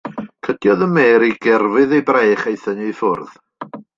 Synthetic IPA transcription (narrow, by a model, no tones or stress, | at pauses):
kʰədjɔðəmeːɾiɡɛrvɨðejbrejχejθənijfʊrð